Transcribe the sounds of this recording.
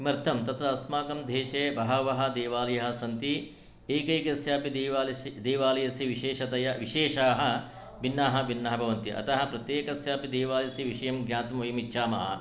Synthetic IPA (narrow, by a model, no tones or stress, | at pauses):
imɐɾt̪ʰɐmt̪ɐt̪ɾɐɐsmaːkɐmd̪ʱeːʃeːbɐɦɐʋɐɦɐ̆d̪eːʋaːlɐjɐɦɐ̆sɐnt̪i | eːkeːkɐsjaːpid̪ʋːld̪eːʋaːlɐjɐsiʋiʃeːʃɐt̪ɐjɐʋiʃeːʃaːɦɐ̆ | binːaːɦɐ̆ʋinːɐɦɐbʱɐʋɐnt̪iʔɐ̰t̪ɐɦɐ̆pɾɐt̪jeːkɐsjaːpid̪eːʋaːljɐsjiʋiʃɐjɐmɡjaːt̪ɐmɐʋɐjɐmitːʃʰaːmɐɦɐ̰